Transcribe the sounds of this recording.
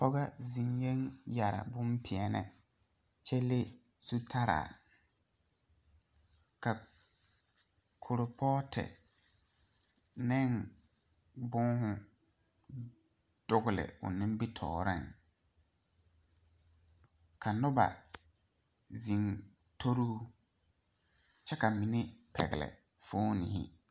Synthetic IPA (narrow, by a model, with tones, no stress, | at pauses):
pɔ˦ɣa˦zi˨ŋje˦ŋja˨ɾa̰˨bʊ˦mpʰɪ˨ɛ˨nɛ̰˨ | t͡ʃɛ˦le˦ | su˦tʰa˦ɾa̰ː˨ | ka˨ | kʰʊ˨ɾʊ˨pʰɔː˦tʰɛ̰˨ | nɛ˦˨ŋ | bʊ˦ŋhʊ˨ | d̥ʊ˦ɡʊ˦lɪ̰˨ʊ̰˨nɪ̃˦m˦bi˦tʰɔ̰ː˨ɾɪ˦˨ŋ | kʰa˨nʊ˦ba̰˨ | zi˨ŋ | tʰo˦ɾuː˦ | t͡ʃɛ˦ka˨mi˨nɪ˦pʰɛ̰˨ɣɪ̰˨lɛ̰˨ | fʊː˦nḭ˨hɪ̰˦